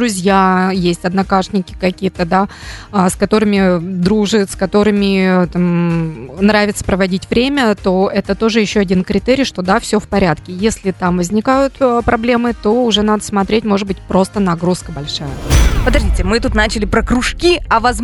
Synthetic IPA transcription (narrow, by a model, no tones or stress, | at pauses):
ɾʊzʲjajesʲtʲɐd̪nɐkaʂnʲɪkʲɪ̥kɐkʲijət̪əd̪a | askɐt̪o̞ɾɨmʲɪd̪ɾuʐɨskɐt̪o̞ɾɨmʲɪt̪am | nɾavʲɪt̪sə̥pɾəvɐdʲitʲvɾʲemʲət̪o̞ɛt̪ət̪o̞ʐɨjɪɕːoɐdʲinkɾʲɪt̪ɛɾʲɪjʂt̪o̞d̪afsʲofpɐɾʲat̪kʲɪjesʲlʲɪt̪amvəzʲnʲɪkajʊt̪pɾʔɐblʲe̞mɨt̪o̞ʊʐɛnad̪əsmɐt̪ɾʲetʲmo̞ʐɨd̪̚bɨtʲpɾo̞st̪ənɐɡɾuskəbɐlʲʂajəpəd̪ɐʐdʲitʲɪmɨt̪ut̪nat͡ɕɪlʲɪpɾəkɾʊʂkʲiɐvɐz